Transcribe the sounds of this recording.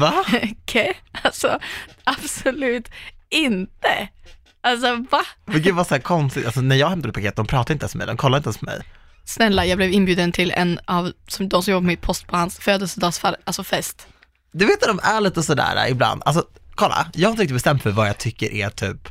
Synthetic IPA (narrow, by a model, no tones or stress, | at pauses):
vakʰɛalsɔab̥sɔlʉ̟ːt̪ɪnt̪ə | als̬ɔvamɛnɡʉːd̪vasɔæːkʰɔnst̪ɪɡt̪als̬ɔnæɾjɑːɡhɛmt̪aɾɵt̪̚pʰakeːt̪̚d̪ɔmpɾɑːt̪aɾɪnt̪ɛnsmɔmɛ̰jd̪ɔmkʰɔlːaɾɪnt̪ɛspʰɔmɛ̰j | snɛlːajɑːɡblɛvɪnbjʉ̟ːd̪ənt̪ʰɪlɛ̰nːɑvsɔmd̪ɔmsɔmjɔbapɔmɪt̪̚pʰɔst̪pʰɔhansføːd̪əlsəd̪ɑːsfaɾʔalsɔfɛst̪ | d̪ɵveːt̪vad̪ɔmæɭiːt̪əɔsɔd̪æ̰ːɾa̰ɪbla̰nd̪ʔa̰ls̬ɔkʰɔlːa̰jɑːɡhaɾɪɾkt̪̚bɛst̪ɛmt̪fœɾvajɑt̪ʰʏkːəɾʔæt̪ʰyːp